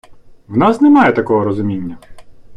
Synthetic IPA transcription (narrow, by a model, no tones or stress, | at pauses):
wnɑsnɛmɑjɛt̪ɐkɔɦɔɾɔzʊmʲinʲːɐ